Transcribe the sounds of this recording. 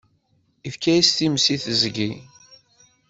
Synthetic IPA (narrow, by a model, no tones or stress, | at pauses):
ifkæjist̪imsiθəzɡi